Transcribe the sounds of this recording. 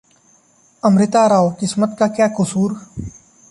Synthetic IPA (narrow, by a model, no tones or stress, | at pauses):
əmɾɪt̪aːɾaːoːkɪsmət̪kaːkjaːkʊsuːɾ